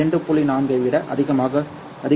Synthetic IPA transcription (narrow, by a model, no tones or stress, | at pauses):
ɛɳɖɯpʊɭinaːmɡɐɪʋɪɽɐʔɐ̰ðɪɣɐmaːɣɐ | ɐðɪ